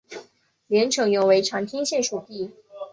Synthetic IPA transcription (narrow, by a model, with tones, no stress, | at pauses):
ljɛ˧˥nʈ͡ʂʰɤ˧˥ŋjʊ˧˥ŋwe˧˥ɪʈ͡ʂʰɑ˧˥ŋt̪ʰi˥ŋɕjɛ˥˩nʂu˨˩t̪i˥˩